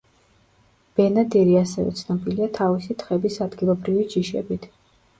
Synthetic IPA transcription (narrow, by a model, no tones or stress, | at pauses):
b̥ɛnad̪ɛɾiasɛvɛ̰t̪sʰnɔbiliat̪ʰavisit̪ʰχɛbisad̪ɡilˠɔbɾivid͡ʒiʃɛ̰bit̪ʰ